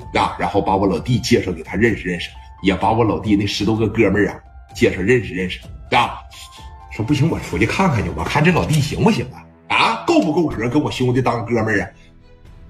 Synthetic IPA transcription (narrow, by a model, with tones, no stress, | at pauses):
na˥˩ɻa˧˥nxo˥˩ʊpa˧˥wɔ˧˥lɑ˨˩ʊt̪i˥˧t͡ɕjɛ˥˧ʂo˥˩ke˨˩t̪ʰa˥ɻə˥˧nʂɻ̩˨˩ɻə˥˩nʂɻ̩˨˩ | jɛ˨˩pa˧˥wɔ˧˥lɑ˨˩ʊt̪̬i˥˧ne˥˩ʂɻ̩˧˥t̪wɡə˥˧kɤ˥mə˥˩ɐ̰˨˩ | t͡ɕjɛ˥˧ʂo˥˧ɻə˥˩nʂɻ̩˨˩ɻə˥˩nʂɻ̩˨˩˥a˥˧˩ | ʂwɔ˥p̬u˥˩i˧˥ŋwɔ̰˨˩˥ft͡ɕkʰa˥˩nkʰa˨˩n˧˩wɔ̰˨˩kʰa˥˩nʈ͡ʂə˥lɑ˨˩ʊt̪̬i˥˩ɕi˧˥ŋwɔ˧˩ɕi˧˩ŋd̪a˧˦ | a˧˥ko˥˧ʊfu˧˩ko˥˩ʊʈ͡ʂʰɻ̩˨˩ə˥ŋkə˥nwɔ˨˩ɕŋwt̪i˥˩t̪ɑ˥ŋ˧kɤ˥˧mə˥˩ɐ˨˩